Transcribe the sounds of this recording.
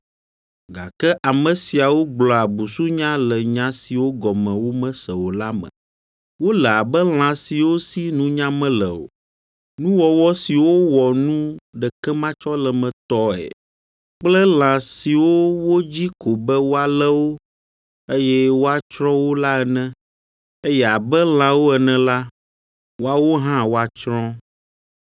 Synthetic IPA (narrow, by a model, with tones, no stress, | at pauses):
ɡa̰˨kɛ˦ʔa˨mə̃˨si˨a˨wo˦ɡ͡blɔ˨a˨bu˨su˦ɲã˦lɛ˨ɲã˦si˨wo˦ɡɔ˨mɛ̃˨wo˦mɛ̃˦sɛ˨wo˨la˦mɛ̰̃˨ | wo˦lɛ˨a˨bɛ˦l̃ã˨si˨wo˦si˦nũ˦ɲã˦mɛ̃˦lɛ˨o̰˨ | nũ˦wɔ˨wɔ˦si˨wo˦wɔ˨nũ˦ɖɛ˨kɛ˦mã˦t͡ʃɔ˦lɛ˨mɛ̃˨t̪ɔ˦ɛ̰˨ | k͡plɛ˦l̃ã˨si˨wo˦wo˦d͡ʑi˦ko˨bɛ˦wo˦a˨lɛ˦wo˦ | e˦jɛ˦wo˦a˦t͡ʃɾɔ̃˦wo˦la˦ɛ˨nɛ̃˦ | e˦jɛ˦a˨bɛ˦l̃ã˨wo˦ɛ˨nɛ̃˨la˦ | wo˦a˦wo˦ɦã˦wo˦a˨t͡ʃɾɔ̃˦